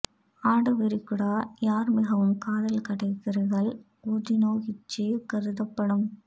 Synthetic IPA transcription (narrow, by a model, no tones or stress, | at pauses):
aːɽɐʋɪɾɪkːɯɽaːjaːɾmɪɣɐʋɯmkaːðɐlkɐɽɐɪkːɪɾɐɣɐɭ | oːðɪnoːɣɪt͡ʃːeːkɐɾɯðɐpːɐɽɯm